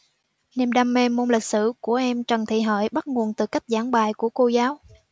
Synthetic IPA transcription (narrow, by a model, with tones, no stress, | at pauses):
nḭ˨˩mɗaː˧mːɛ˧mːo˧nlï˨˩k̚sɨ̰˧˩˨ku˧˩əʔɛ˧mt͡ɕə˨˩nt̪ʰḭ˧˨ɦə̰ː˧˨jɓa˦˥t̚ŋu˨˩ənt̪ɨ̰˨˩ka˦˥jk̟̚zaː˧˩˦ŋɓaː˨˩jku˧˩əko˧zaː˨˦w